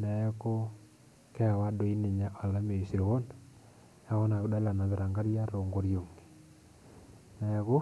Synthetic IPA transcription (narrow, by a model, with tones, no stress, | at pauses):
nɛ˨˦ko˦ | kɛ˦˨wa˦do˨˦i˦nɪ˨ɲa˦ʔa˨la˦me˨si˨ɾo˨wo˦n | a˦ɣo˦na˨βu˦da˦la˨na˨βɛ˨ɾa˨ŋɡa˦ɾja˦ɾo˨ŋɡo˨ɾjo˨ŋ˨ | nɛ˨˦kʊ˦